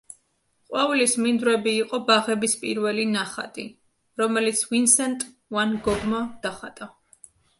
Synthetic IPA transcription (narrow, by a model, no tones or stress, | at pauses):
qʼwavlismind̪ɾɛbiːqʼɔbaʁɛbispʼḭɾvɛlinaχa̰t̪ʼḭ | ɾɔmɛlit̪sʰvinsɛnt̪ʼ | vanɡɔɡmad̪̥aχat̪ʼa